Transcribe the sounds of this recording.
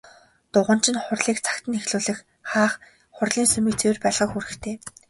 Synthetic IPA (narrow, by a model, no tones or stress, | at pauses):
t̪ʊʁə̆n̥t͡ɕʰɪ̆nχʊrɮiːkt͡sʰḁkt̪ə̆nexɮuːɮɘ̆x | χaːχ | χʊrɮiːnsɵmɘ̆kt͡sʰewɘrpæːɮʁə̆xuɾɘ̆xt̪ʰeː